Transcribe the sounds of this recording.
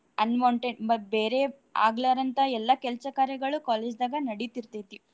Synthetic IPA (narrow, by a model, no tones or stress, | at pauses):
ɐnmɐwɳʈeɳmɐbeːɾe | a̰ːɡlaːɾɐnt̪ɐɛlːɐkɛlsɐkaːɾjɐɡɐɭukaːleːd͡ʒd̪aːɡɐnɐɽit̪iɾt̪et̪i